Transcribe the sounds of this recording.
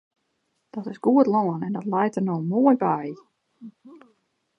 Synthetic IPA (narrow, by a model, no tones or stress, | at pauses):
d̥ɔtɪsɡ̥uətlˠɔːnɛndɔtlɛjtərnolˠmɔəjbaj